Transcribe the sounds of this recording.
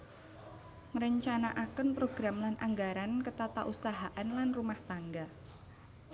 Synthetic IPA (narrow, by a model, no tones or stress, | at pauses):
ŋəɾəɲt͡ʃanaʔakənpɾoɡɾamlanʔaŋɡaɾankət̪at̪aʔusaɦaʔanlanrumaht̪aŋɡa